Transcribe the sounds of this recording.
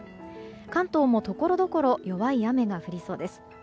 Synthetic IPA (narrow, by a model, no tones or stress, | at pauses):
kãnt̪o̞ːmo̞t̪o̞ko̞ɾo̞d̪oko̞ɾo̞jo̞βaijame̞ɡaɸɯ̟ɾʲiso̞ːd̪e̞sɨ̥